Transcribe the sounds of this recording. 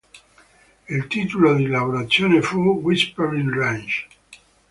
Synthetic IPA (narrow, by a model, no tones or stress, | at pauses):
ilt̪iːt̪olod̪ilavoɾat̪sːjoːnefuwispeɾinrand͡ʒ